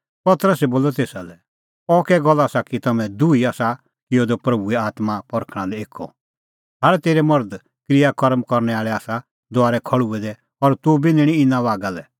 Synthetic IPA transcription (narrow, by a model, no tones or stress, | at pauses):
pɐt̪əɾəsɛboːlɔt̪eːsalɛ | ɔkɛɡɔlːaːsakit̪ɐmɛ̃d̪uiaːsa | kɪjɔd̪ɔpɾɐbuɛaːt̪mapɔɾkʰɽ̃alɛeːkʰːɔ̰ | ɦaɾt̪eːɾɛmɐɾd̪ | kɾɪjakɔɾmkɔɾnɛaːɭɛaːsa | d̪ʊaːɾɛkʰɐɭuɛd̪ɛ | ɔɾt̪ubinɪɽ̃ĩɪnãʋaːɡalɛ